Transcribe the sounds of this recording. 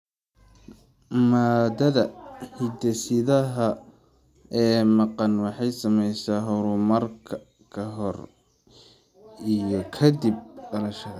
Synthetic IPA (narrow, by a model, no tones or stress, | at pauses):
maːd̪ɐðɐhɪd̪ɐsɪðɐɦɐ | ɛːmɑqɑnwɑħɑjsɐmɛjsaːɦʊɾʊmɐrkʰɐ | kʰɐɦɔr | ijɞkʰɐd̪ib̚dɐlɐʃɐð